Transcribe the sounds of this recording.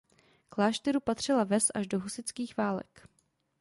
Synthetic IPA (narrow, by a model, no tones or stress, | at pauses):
klaːʃt̪ɛɾupat̪r̝̥ɪlavɛsʔaʒdo̞ɦusɪt͡skiːxvaːlɛ̰k